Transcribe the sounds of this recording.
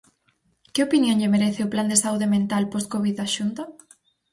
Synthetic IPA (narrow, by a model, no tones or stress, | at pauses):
kɪopinjõŋʎemeɾeθɪʊpland̪esauðemẽnt̪alposkoβiðaʃunt̪a